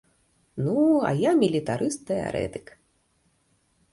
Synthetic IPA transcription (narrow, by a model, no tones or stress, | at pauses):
nua̰jamʲilʲit̪aɾʔɨst̪ːɛa̰ɾɛ̰t̪ɨk